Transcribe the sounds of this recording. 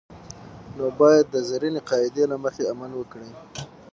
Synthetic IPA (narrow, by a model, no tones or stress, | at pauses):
nobɑjad̪̚ːəzaɾineqɑɪd̪elaməxeamalwəkɽi